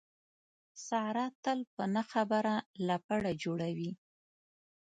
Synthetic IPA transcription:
saɾɑt̪əlpənaxabəɾalapəɽad͡ʒoɽawi

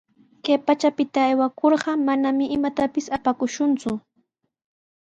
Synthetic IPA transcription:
kajpat͡ʃapɪt̪aːjwakʰoɾɢɑmanamɪʔːmat̪apɪsapakʊʃʊnt͡sʊ

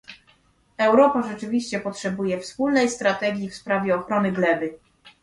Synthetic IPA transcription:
ɛwɾɔpaʐɛt͡ʂɘvʲiɕt͡ɕɛpɔtʂɛbujɛfspulnɛjst̪ɾat̪ɛɡʲjifspɾavʲjɛɔxɾɔnɘɡlɛbɘ

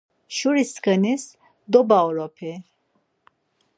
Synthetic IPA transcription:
ʃuɾiskənis | d̪obawɾopʰe

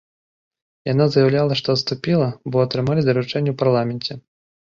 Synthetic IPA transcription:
janazɐjawlʲalˠɐʂt̪ɔɐt̪st̪upʲilˠɐbɔɐt̪ɾɨmalʲid̪ɐɾut͡ʂɛnʲːɛwparlˠamʲɛnʲt͡sʲɛ

